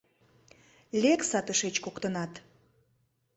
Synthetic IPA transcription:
lʲeksɑt̪əʃet͡ɕkokt̪ənɑt̪

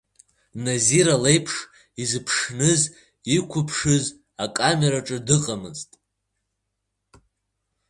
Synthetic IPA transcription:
naziɾalejpʰʂ | izɨpʰʂnɨz | ikʷʰʊpʰʂɨz | akʼame̞ɾaʈ͡ʂʼɨdɨqʼamɨ̰ztʼ

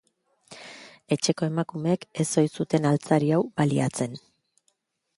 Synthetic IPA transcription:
e̞t͡ʃe̞ko̞e̞makumeːke̞so̞jsut̪e̞nalt͡saɾiawbaliat͡se̞n

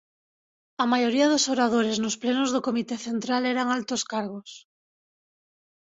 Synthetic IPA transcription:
amajoɾiaðosoɾað̞oɾeznosplenozðokomit̪eθent̪ɾaleɾaŋalt̪oskaɾɣ̞os

